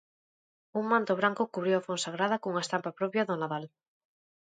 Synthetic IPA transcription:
uŋmãnt̪oβ̞ɾaŋkokuβɾjowafonsaɣɾaðakouŋaest̪ampapɾopjaðonaðal

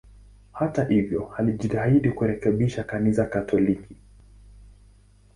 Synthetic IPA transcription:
hatahivjɔhaliʄitaiɗikuɾɛkɛɓiʃakanisakatʰɔliki

